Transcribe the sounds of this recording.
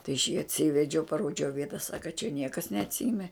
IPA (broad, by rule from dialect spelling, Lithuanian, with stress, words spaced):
tɐɪ ɐʃ jiː ɐtʲˈsʲiːʋʲɛd͡ʒʲɛʊ pɐˈroːd͡ʒʲɛʊ ˈʋʲiɛtɐ ˈsɑːkɐ t͡ʃʲɛ ˈnʲiɛkɐs nʲɛɐtʲˈsʲiːmʲɛ